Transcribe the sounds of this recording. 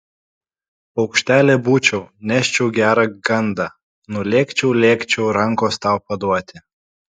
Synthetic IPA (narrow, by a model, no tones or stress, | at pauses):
ɒʊkʃʲt̪ʲæːlʲeːbuːt͡ʃʲɛʊnʲæːʃʲt͡ʃʲɛʊɡʲæːɾɑɡɐnd̪ɑ | nʊlʲeːkt͡ʃʲɛʊlʲeːkt͡ʃʲɛʊɾɐŋˑkoːst̪ɑˑʊpɐd̪uɔt̪ʲɪ